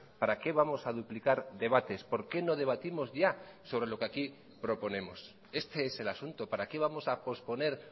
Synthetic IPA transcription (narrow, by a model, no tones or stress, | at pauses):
paɾake̞βamo̞saðuplikaɾðe̞βat̪e̞spo̞ɾke̞no̞ð̞e̞β̞at̪imo̞zʝaso̞β̞ɾe̞lo̞keaki | pɾo̞po̞ne̞mo̞s | e̞st̪eese̞lasunt̪opaɾake̞β̞amo̞sapo̞spo̞ne̞ɾ